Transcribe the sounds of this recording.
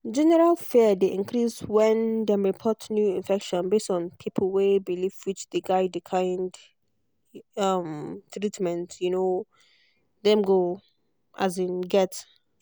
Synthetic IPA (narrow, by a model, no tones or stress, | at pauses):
d͡ʒɛnɛɹalˠfɛdeʔɪ̃nkʰɹiswɛ̃ndɛ̃mɹipʰɔtnjuɪ̃nfɛkʃɔ̃nbestɔ̃npʰipʰəl̩ˠwebilifwɪt͡ʃdəɡaɪdɪkʰãɪnd | ʌmtʰɹitmɛ̃ntjuno | dɛ̃mɡo | ʔazeɡɛt